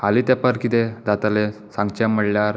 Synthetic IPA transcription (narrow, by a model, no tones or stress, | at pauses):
alit̪apəɾkit̪ed̪at̪ale | sãŋɡt͡ɕaməɽljaɾ